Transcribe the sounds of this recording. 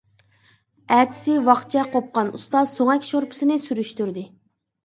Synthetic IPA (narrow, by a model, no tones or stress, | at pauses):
æt̪ʰɪ̥sɪwɑχt͡ʃʰɛqʰop̚qɑnṵst̪ɑzsoŋɛkʲʃoɾpʰɨ̥sɨnɪsyɾyʃt̪yɾd̪ɪ